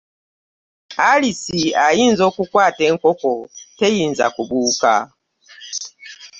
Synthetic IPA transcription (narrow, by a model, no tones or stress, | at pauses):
alisiajinzokukwatɛŋkɔkɔtejinza̰kubuːka̰